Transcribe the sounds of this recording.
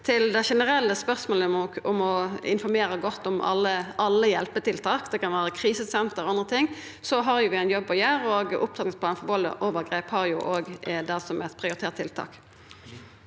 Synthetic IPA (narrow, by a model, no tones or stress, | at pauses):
t̪ʰɪld̪ɛʃɛnəɾɛlːəspœʁsmoːləʊmɔɪ̰nfɔɾmeːɾəɡɔt̪ːɔmɑ̰lːəɑlːəjɛlpət̪ɪlt̪ʰɑːkd̪ɛkɑnʋæːɾəkʰɾiːsəsɛmt̪əʁɔɑnd̪ʁət̪ʰɪŋː | sɔɦɑɾjʊʋɪæɪnjɔbːɔjøːɾɔːɡʊp̚t̪ʰɑt̪nɪŋsplɑːnəfɔbɔlə̰ʔoːʋəɾɡʁeːphɑʁjʊʔoːɡd̪æsɔmɛt̪pʰɾɪʊɾɪt̪eːt̪ʰːɪlt̪ʰɑ̰ːk